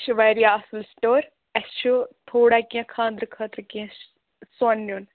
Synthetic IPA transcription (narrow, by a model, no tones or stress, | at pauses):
ʃuʋɐːɾijaɐsɨlsʈoːɾ | ɐʃʰut̪ʰoːɽakiãkʰãːnd̪ɾɨkʰəːt̪ɾɨkiã | sɐnːjuːn